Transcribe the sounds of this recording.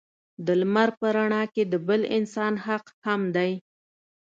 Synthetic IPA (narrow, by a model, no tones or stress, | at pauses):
d̪əlmaɾpəɾaɳɑked̪əbəlɪnsɑnɦaqhamd̪aj